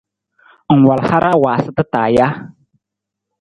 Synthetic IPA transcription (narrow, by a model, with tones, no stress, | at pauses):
ŋ̩˨wa˨lha˦ɾʔa˦waː˨sɪ˦tɨ˦taː˨ja˦